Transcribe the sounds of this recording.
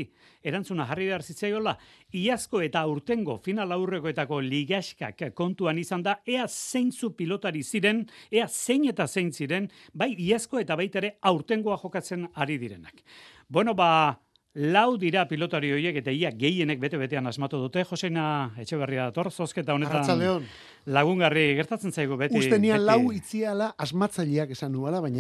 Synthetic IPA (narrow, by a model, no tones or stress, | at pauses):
e̞ɾant͡sunaʝariβe̞aɾsit͡sajo̞laiasko̞e̞t̪aːwɾt̪e̞ŋɡo̞finalawre̞koe̞t̪ako̞liɣasʃka̰kːo̞nt̪uanisand̪ae̞ase̞jnt͡supilo̞t̪aɾisiɾe̞ne̞ase̞ɲe̞t̪ase̞jnsiɾe̞n | bajiasko̞e̞t̪aβ̞ajt̪aeɾe̞awɾt̪e̞ŋɡoaʝo̞kat͡se̞naɾiðiɾe̞nak | bwe̞no̞βa | lawðiɾapilo̞t̪aɾio̞ɾje̞ke̞t̪aiiaɡe̞je̞ne̞k̚be̞t̪eβe̞t̪e̞anazmat̪uð̞ut̪e̞ʝo̞sejnae̞t͡ʃe̞β̞eriaðat̪o̞rso̞ske̞t̪ao̞net̪at͡snald̪eon | laɣ̞uŋɡariɣe̞ɾt̪at͡se̞nsajɣ̞uβetuist̪enianlawit͡sialaʔazmat͡saʎeake̞sanualaβajɲa